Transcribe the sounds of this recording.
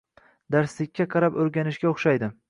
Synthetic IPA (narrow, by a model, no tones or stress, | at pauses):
d̪aɾslɪkʲːaqʰɑɾapɵɾɡʲanɪʃɡʲaoχʃajd̪ɪ